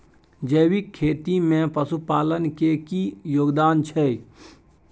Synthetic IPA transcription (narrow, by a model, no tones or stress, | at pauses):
d͡ʒəːwikʰːeːt̪imẽpəsupaːlənkekijoːɡd̪aːnt͡ʃʰɛ